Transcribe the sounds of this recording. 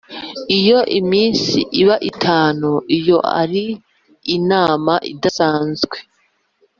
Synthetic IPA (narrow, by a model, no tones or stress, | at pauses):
ijo̞ʔimiːnsiʔiβaʔitʰaːnuʔijo̞ʔa̰ɾiː | naːmaʔḭdasaːnzɡwe